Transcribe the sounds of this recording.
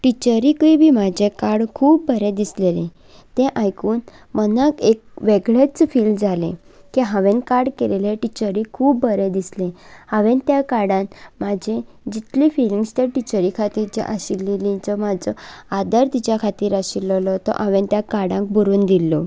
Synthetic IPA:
ʈit͡ɕəɾikəibʱiːmad͡ʑʱẽkaɽkʰuːb̚ːʱəɾẽd̪islelẽ | t̪ẽʔajkuːn | mənakek̚ʋeɡɭet͡sfiːld͡zalẽ | kiɦaʋẽnkaɾɽkeleleʈit͡ɕəɾikʰuːbːʱəɾẽd̪islẽaʋent̪jakaɽãnmad͡ʑʱẽ | d͡ʑit̪lifiliŋɡst̪eʈit͡ɕəɾikʰat̪iːɾt͡ɕḛʔaɕilːilĩt͡sɔmad͡zɔad̪əɾt̪it͡ɕjakʰat̪iːɾaɕilɔlɔt̪ɔ̰ʔaʋẽnt̪jakaɽãŋk̚bʱuɾuːnd̪ilːɔ

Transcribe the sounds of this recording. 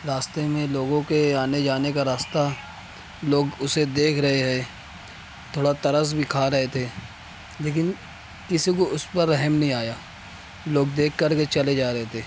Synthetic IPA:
ɾaːst̪emẽloːɡõkeaːned͡ʒaːnekaɾaːst̪a | loːɡʊsed̪eːkʰɾɐɦeɦɛː | t̪ʰoːɽat̪ɐɾəs̬bʱikʰaːɾɐɦet̪ʰeː | leːk̬ɪn | kɪsikoʊspɐɾːɛɦɛmnɐɦĩaːjaː | loːɡ̚d̪eːkʰːɐɾket͡ʃɐled͡ʒaːɾɐɦet̪ʰeː

